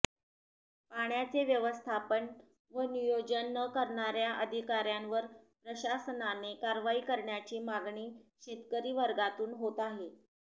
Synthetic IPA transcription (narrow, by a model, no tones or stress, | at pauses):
paɳjat͡seʋjəʋəst̪ʰapən | ʋənijod͡ʑənːəkəɾɳaɾjaʔəd̪ʱikaɾjanʋəɾpɾəɕasənanekaɾʋaiːkəɾɳjat͡ɕiːmaɡɳiːɕet̪kəɾiːʋəɾɡat̪uːnɦot̪aɦe